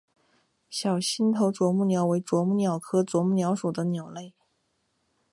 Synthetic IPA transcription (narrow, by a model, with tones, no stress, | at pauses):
ɕjɑ˨˩ʊɕi˥nt̪ʰo˧˥ʊʈ͡ʂwɔ˧˥mu˥˩njɑ˧˥ʊwe˧˥ɪʈ͡ʂwɔ˧˥mu˥˩njɑ˨˩ʊkʰɤ˥ʈ͡ʂwɔ˧˥mu˥˩njɑ˧˥ʊʂu˨˩d̪ə˦njɑ˨˩ʊle˥˩ɪ